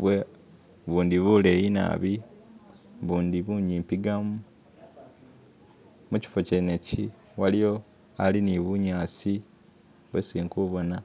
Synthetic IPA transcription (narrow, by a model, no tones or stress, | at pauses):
βwe | βuːnd̪iβule̞jina̰βi | βuːnd̪iβuɲiːmpiɡamu | muci̥foceneci | walijo̞ | aliniβuɲaːsi | βwesiːŋkuβo̞na